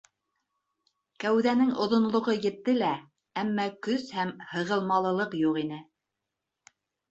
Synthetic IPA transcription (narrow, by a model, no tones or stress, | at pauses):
kæwðænɘŋʔŏðŏnlˠŏʁɤjɘ̆t̪ːɘlæ | æmːækɵshæmhɤ̆ʁɤ̆lˠmɑlˠɤ̆lˠɤqjuqin̪ɘ